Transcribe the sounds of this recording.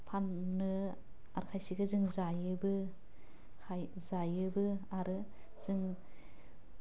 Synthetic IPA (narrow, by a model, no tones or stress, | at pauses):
pʰanːɯ | a̰ɾkʰajsiɡɯzɯŋzajɯbɯ | kʰaj | zajɯbɯaɾɯ | z̥ɯŋ